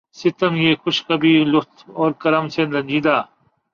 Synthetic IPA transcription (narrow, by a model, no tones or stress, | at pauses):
sit̪ɐmjeːkʰʊɕkɐbiːlut̪ʰoːɾkɐɾɐmsʰend̪ɐnʲd͡ʑiːd̪aː